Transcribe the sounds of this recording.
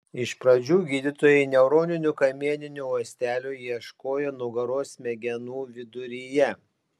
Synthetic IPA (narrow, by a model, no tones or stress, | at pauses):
ɪʃpɾɐd͡ʒʲuːɡʲiːd̪ʲɪt̪oːjɛɪnʲɛʊɾoːnʲɪnʲʊkɐmʲiɛnʲɪnʲʊuːsʲt̪ʲæːlʲujiɛʃkoːjɛnʊɡɐɾoːsmʲɛɡʲɛnuːʋʲɪd̪ʊɾʲɪjɛ